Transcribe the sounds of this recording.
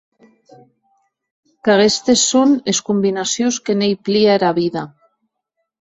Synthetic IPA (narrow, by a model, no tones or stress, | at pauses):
kaɣest̪esːoneskumbinasjoskenejpliaeɾaβiða